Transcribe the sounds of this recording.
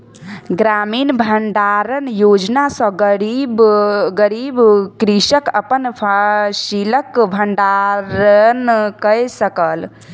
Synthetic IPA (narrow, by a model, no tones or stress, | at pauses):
ɡɾaminbʱəɳɖaɾənjod͡ʒnasə̃ɡəɾibɡəɾibkɾisəkəpənpʰasiləkbʱəɳɖaɾənkəjsəkəl